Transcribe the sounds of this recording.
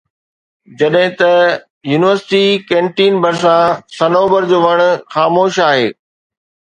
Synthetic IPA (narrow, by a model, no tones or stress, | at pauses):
d͡ʑɐɗɦɪ̃t̪ɐ | juːnɪʋəɾsɪ̥ʈikẽːɳʈiːnbɐɾs̬ãsɐnoːbəɾd͡ʑoːʋɐɽ̃ʊ̆xaːmoːʃaːɦeː